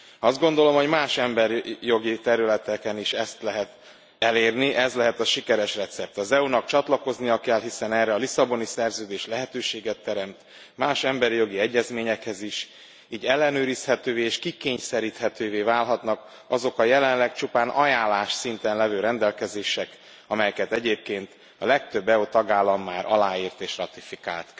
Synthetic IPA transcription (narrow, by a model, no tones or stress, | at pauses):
ɒzd̪̚ɡo̞n̪d̪o̞lo̞mho̞ɟmaːʃɛmbɛɾjo̞ɡit̪ɛɾylɛt̪ɛkɛniʃɛst̪lɛɦɛt̪ | ɛleːrniʔɛzlɛɦɛt̪ɒʃikɛɾɛʃrɛt̪sɛp̚t̪ɒzɛunɒkt͡ʃɒt̪lɒko̞znijɒkɛlɦisɛnɛːrːɛɒlisɒbo̞nisɛrzøːd̪eːʃlɛɦɛt̪øːʃeːɡɛt̪ːɛɾɛmt̪ | maːʃɛmbɛɾijo̞ɡiɛɟːɛzmeːɲɛkhɛziʃ | iːɟɛlːɛnøːɾishɛt̪øːveːʃkikeːɲsɛɾiːt̪hɛt̪øːveːvaːlɦɒt̪nɒk | ɒzo̞kɒjɛlɛnlɛkt͡ʃupaːnʔɒjaːlːaːʃsint̪ɛnlɛvøːɾɛnd̪ɛlkɛzeːʃɛk | ɒmɛjɛkɛt̪ɛɟeːp̚keːnt̪ | ɒlɛk̚t̪ø̞bːɛut̪ɒɡaːlːɒmːaːɾʔɒ̰laːiːrt̪eːʃrɒt̪ifika̰ːlt̪